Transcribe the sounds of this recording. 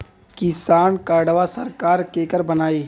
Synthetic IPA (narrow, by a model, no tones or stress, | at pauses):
kɪsaːnkaːɽʋasɐɾkaːɾkeːkəɾbɐnaːiː